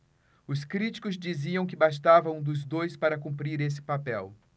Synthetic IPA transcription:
ʊskɾit͡ʃi̥kʊzd͡ʒiziɐ̃w̃kɪbast̪avɐũd̪ʊzd̪ojspaɾɐkũmpɾiɾes̬ɪ̥papɛw

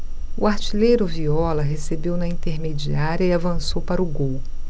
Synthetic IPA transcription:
uaɾt͡ʃilejɾʊviɔlɐɦesebewnɐĩnt̪eɾmed͡ʒiaɾʲjɐiavɐ̃sowpaɾʊɡow

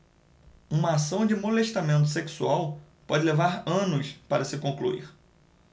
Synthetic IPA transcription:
ũmɐasɐ̃w̃d͡ʒɪmoleʃt̪amẽnt̪̬ʊ̥seksuaw | pɔd͡ʒɪlevaɾɐ̃nʊspaɾɐsɪkõklṵḭɾ

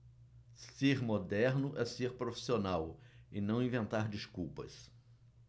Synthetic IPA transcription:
seɾmod̪ɛɾnʊʔɛseɾpɾofi̥sionawɪnɐ̃w̃ĩvẽnt̪aɾd͡ʒiskuwpɐ̰s

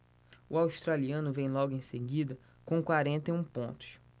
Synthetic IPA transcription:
ʊawʃt̪ɾaliɐ̃nʊvẽj̃lɔɡʊẽj̃seɡid̪ɐ | kõkwaɾẽnt̪ejũpõnt̪ʊ̥ʃ

